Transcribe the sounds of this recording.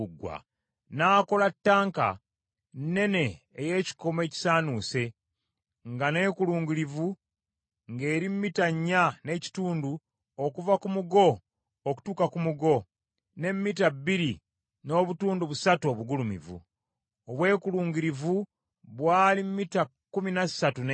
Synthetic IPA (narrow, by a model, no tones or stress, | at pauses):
ɡwa̰ | naːko̞latːaːŋka̰ | nːe̞ne̞ː | je̞ːci̥ko̞me̞ːci̥saːnuːse̞ | ŋɡane̞ːkuluːŋɡuɾivu | ŋɡe̞ːɾimmitaɲːane̞ːci̥tuːndu | okuvakumuɡo̞ː | ku̥tuːkakumuɡo̞ | ne̞mːitabːiɾi | no̞ːβutuːnduβusatuo̞βuɡulumḭvṵ | oβwe̞ːkuluːŋɡiɾivu | βwaːlimumitakːuminasatun